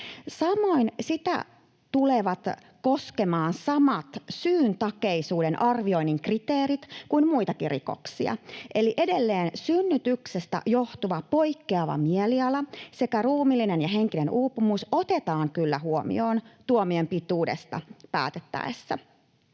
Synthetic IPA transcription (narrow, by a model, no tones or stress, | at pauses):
sɑmo̞insit̪æ̰ | t̪uleʋɑt̪ | ko̞ske̞mɑːnsɑmɑt̪syːnt̪ɑke̞isuːde̞nʔɑrʋio̞inːiŋkrit̪eːɾit̪kuinmuit̪ɑkirḭko̞̰ksiɑ̰ʔeliʔe̞delːeːnsynːyt̪yksest̪æ̰jo̞ht̪uʋɑpo̞jkːeɑʋɑ̰mieliɑlɑse̞kæruːmilːinenjɑɦe̞ŋkine̞nuːpːumuso̞t̪e̞t̪ɑːŋkylːæɦuomḭoːnt̪uomiempit̪uːde̞̰st̪ɑ̰pæ̰ːt̪et̪ːæ̰esːæ̰